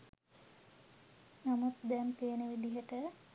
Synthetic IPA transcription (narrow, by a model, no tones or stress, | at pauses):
namut̪d̪ɛmt̪eːnəʋid̪iɦəʈə